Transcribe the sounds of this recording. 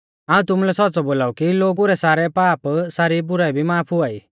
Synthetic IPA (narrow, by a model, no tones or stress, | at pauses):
aːũt̪ʊmlɛsɔtːt͡sɔboːlaːukiloːɡuɾɛsaːɾɛpaːpsaːɾibʊɾaibʱimaːpʰɦʊaːiː